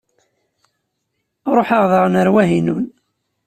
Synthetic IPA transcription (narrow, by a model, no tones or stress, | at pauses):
ɾˤoħəʁðəʁnəɾwæɦinṵn